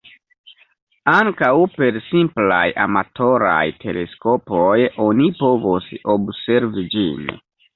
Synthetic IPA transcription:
aŋkawpe̞ɾsimpla̰jʔa̰matʰo̞ɾa̰jtʰe̞le̞̰sko̞pojo̞nipo̞vosobse̞ɾvid͡ʒḭn

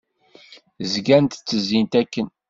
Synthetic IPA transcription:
zɡænt̪t͡sːəzːint̪ækːən

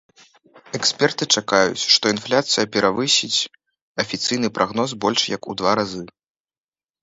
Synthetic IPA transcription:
ɛksʲpʲɛrt̪ɨt͡ʂakajṵt͡sʲʂt̪ɔinflʲat̪sɨjɐpʲɛɾavɨsʲit͡sʲ | ɐfʲit̪sɨjnɨpɾaɣnɔs̬bɔlʲʂjɐkṵd̪vaɾazɨ

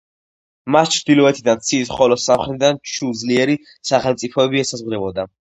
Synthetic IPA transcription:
mast͡ʃʰɾd̪ilɔɛt̪ʰid̪ant̪sʰiːsχɔlɔsamχɾɛt̪ʰd̪ant͡ʃʰud̪zliɛɾi | saχɛlmt̪sʼipʰɔɛbiɛsazʁd̪ɛbɔd̪a

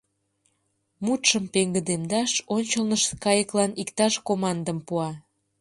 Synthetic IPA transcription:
mut̪ʃəmpeŋɡəd̪emd̪ɑʃonʲt͡ɕəlnəʃkɑjəklɑnikt̪ɑʃkomɑnd̪ə̆mpuɑ

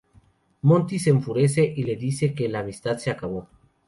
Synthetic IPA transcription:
mõ̞nt̪iseɱfuɾe̞s̬e̞ʔile̞ðise̞ke̞laːmist̪aðseakaβo̞

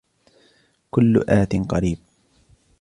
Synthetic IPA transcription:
kʊlːʊ̰ʔaːt̪ɪnqɑɾiːb̚

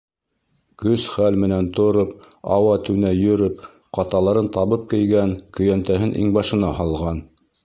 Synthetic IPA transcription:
kɵsχælmɘ̆nænt̪ŏɾɤp | ɑ̰wɑt̪ɘ̆wnæjɵ̆ɾɵp̚ | qɑt̪ɑlˠɑɾɤnt̪ɑβɤp̚kɘ̆jɡænkɵ̆jænt̪æɦɘnʔḭŋbɑʃɤ̆nɑhɑlˠʁɑn

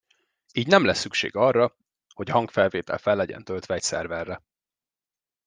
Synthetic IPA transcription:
iːɟnɛmlɛsːykʃḛːɡɒrːɒ | ho̞ɟɦɒŋkfɛlveːt̪ɛ̰lfɛlːɛɟɛ̰nt̪ølt̪ʋɛɛcsɛ̰rvɛrːɛ

